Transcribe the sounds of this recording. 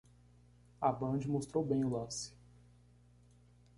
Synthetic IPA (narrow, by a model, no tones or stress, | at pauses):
abɐ̃d͡ʒɪmost̪ɾowbẽj̃ʊlɐ̃sɪ̥